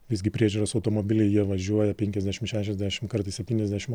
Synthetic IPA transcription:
ʋʲɪzʲɡʲɪpʲɾʲiɛʒʲuɾɐsɐʊt̪oːmoːbʲɪlʲɛɪjiɛʋɐʒʲuɔjɛpʲɛŋʲkʲɛzd̪ʲæːʃʲɪmʃʲæːʃʲɛzd̪ʲæʃʲɪmkɐɾt̪ɐɪssʲɛp̚ʲt̪ʲiːnʲɛzd̪ʲæːʃʲɪm

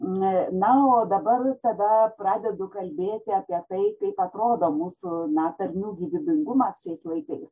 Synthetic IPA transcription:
nɐoːd̪ɐbɐrt̪ɐd̪ɐprɑːd̪ʲɛd̪ʊkɐlʲbʲeːt̪ʲɪɐːpʲiɛt̪ɐɪkɐɪpɐt̪ɾoːd̪oːmuːsʊnɐt̪ɐɾʲnʲuːɡʲiːʋʲɪbʲɪŋɡʊmɐsʃʲɛɪslˠɐɪkɐɪs

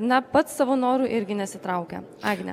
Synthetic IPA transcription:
nɐpɐt̪sɑʋoːnoːɾuːʔɪɾʲɡʲɪnʲɛsʲɪt̪ɾɐʊkʲɛ̰ | ɑːɡʲnʲɛ̰

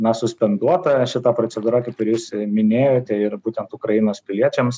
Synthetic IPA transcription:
nɐsʊsʲpʲɛnd̪uɔt̪ɐʃʲɪt̪ɑpɾot͡ssʲɛd̪uːɾɑkɐkɪɾʲjuːsmʲɪnʲeːjoːt̪ʲɛɪɾbuːt̪ʲɛnt̪ʊkɾɐjɪnoːspʲɪlʲiɛt͡ʃʲɛms

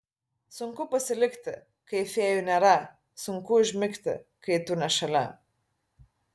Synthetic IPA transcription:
sʊŋkʊpɐsʲɪlʲɪkʲt̪ʲɪ | kɐɪfʲeːjʊnʲɛɾɐ | sʊŋkʊɪʒʲmʲɪkt̪ʲɪ̰kɐɪt̪ʊnʲɛʃɐlʲɛ

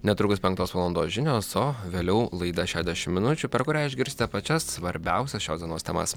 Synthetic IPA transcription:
nʲɛt̪ɾʊkʊspʲɛŋk̚t̪oːsʋɐːlˠɔnd̪oːsʒʲɪnʲoːsoːʋʲeːlʲɛʊlˠɐɪd̪ɐʃʲæːʒʲd̪ʲæʃʲɪmʲmʲɪnʊt͡ʃʲʊpʲɛɾkʊɾʲæːɪʒʲɡʲɪɾʲsʲt̪ʲɪt̪ʲɛpɐt͡ʃʲɛssʋɐɾʲbʲɛʊsʲɛsʃʲoːzd̪ʲiɛnoːst̪ʲɛ̰mɐ̰s

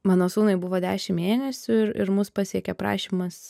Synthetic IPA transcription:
mɑːnoːsuːnɐɪbʊʋoːd̪ʲæːʃʲɪmmʲeːnʲɛsʲʊɪɾɪ̰ɾmʊspɑsʲiɛkʲɛpɾɑ̰ːʃʲiːmɐs

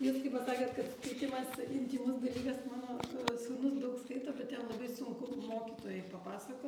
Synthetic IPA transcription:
juːskɐɪpɐsɑːket̪kɐt̪skɐɪt̪ʲɪmɐsɪnʲt̪ʲiːnʊsd̪ɐlʲiːɡɐsmɑːnoːsuːnʊsd̪ɐʊkskɐɪt̪oːbʲɛt̪̚t̪ʲɛnlˠɐbɐɪsʊŋkʊmoːkʲit̪oːjɛɪpɐpɑːsɐkoː

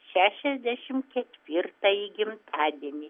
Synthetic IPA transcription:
ʃʲæːʃʲɛzʲd̪ʲæːʃʲɪmkʲɛt̪ʲʋʲɪrt̪ɐjɪɡʲɪmt̪ʰɑːd̪ʲiɛnʲɪ

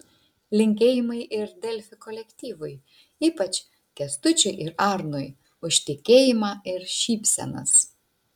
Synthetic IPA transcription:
lʲɪŋʲkʲeːjɪmɐɪʔɪɾd̪ʲɛlʲfʲɪkɔlʲɛkʲt̪ʲiːʋʊɪ | iːpɐt͡ʃʲ | kʲɛst̪ʊt͡ʃʲʊɪʔɪɾɑːɾnʊɪ | ʊʃʲt̪ʲɪkʲeːjɪmɑːɪɾʃʲiːpʲsʲɛ̰nɐ̰s

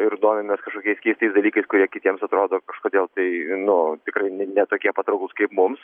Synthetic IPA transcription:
ɪɾd̪oːmʲɛmʲɛskɐʃkoːkʲɛɪsʲkʲɛɪst̪ɐɪsd̪ɐlʲiːkɐɪskʊɾʲiɛkʲɪt̪ʲiɛmsɐt̪ɾoːd̪oːkɐʃkoːd̪ʲeːlˠt̪ɐɪnʊt̪ʲɪkɾɐɪnʲɛnʲɛt̪oːkʲiɛpɐt̪ɾɐʊklˠʊskɐɪpmʊms

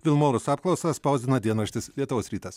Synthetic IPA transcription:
ʋʲɪlˠmoːɾʊsɑːpklˠɐʊsɐspɐʊzʲd̪ʲɪnɐd̪ʲiɛnɐʃʲt̪ʲɪslʲiɛt̪ʊʋoːsɾʲiːt̪ɐs

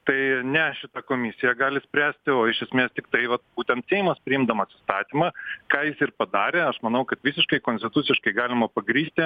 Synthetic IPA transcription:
t̪ɐɪnʲɛʃʲɪt̪ɑkoːmʲɪsʲɪjɛɡɑːlʲɪsʲpʲɾʲæːsʲt̪ʲɪoːɪʃʲɛsʲmʲeːst̪ʲɪkt̪ɐɪʋɐt̪̚b̥uːt̪ʲɛnt̪sʲɛːɪmɐspʲɾʲɪɪmd̪ɐmɐsʲɪ̥st̪ɑːt̪ʲimɑkɑːjɪsɪrpɐd̪ɑːɾʲeːɐʃmɐnɐʊkɐt̪ʋʲisʲɪʃkɐɪkonsʲt̪ʲɪt̪ʊt͡s̪sʲɪʃkɐɪɡɑːlʲɪmɐpɐɡɾʲiːsʲt̪ʲɪ

